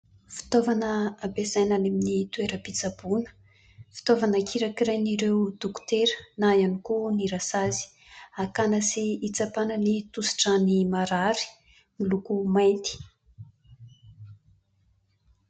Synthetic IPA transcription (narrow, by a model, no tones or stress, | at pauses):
fi̥t̪ovanəabezajnaneminit̪ueɾəpit͡sabunə̥ | fi̥t̪ovanəkʰiɾakirajniɾewd̪̥uku̥t̪eɾənajanikuniɾasazi̥ | akanəsiːt͡sapanənit̪usi̥ʈ͡ʂanimaɾaɾi̥ | milukumajnt̪i̥